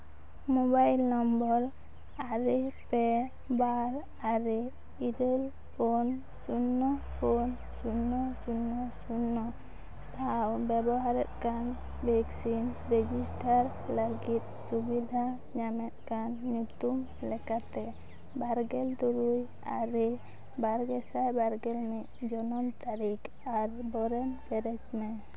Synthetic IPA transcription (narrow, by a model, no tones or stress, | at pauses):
mɔbajlnɔmbɔɾ | aɾipɛ | baɾ | aɾi | iɾel | pʰɔn | sunːɔpʰɔn | sunːɔsunːɔsunːɔ | sawbɛbɔɦaɾɛt̪̚kan | bɛksinɾɛd͡ʒisʈaɾ | ləɡit̪̚subid̪ʱa | ɲamɛt̪̚kanɲut̪um | lɛkat̪ɛ | baɾɡɛlt̪uɾuj | a̰ɾɛ | baɾɡɛsajbaɾɡɛlmit̪̚d͡ʒɔnɔmt̪aɾik | aɾbɔɾɛmbɛɾɛd͡ʒmɛ